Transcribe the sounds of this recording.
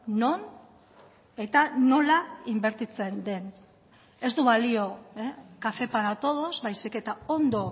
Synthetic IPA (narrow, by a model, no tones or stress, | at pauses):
no̞n | e̞t̪ano̞laimbe̞ɾt̪it͡se̞nd̪e̞n | e̞zd̪uβalio̞ekafe̞paɾat̪o̞ð̞o̞zβajsike̞t̪ao̞nd̪o̞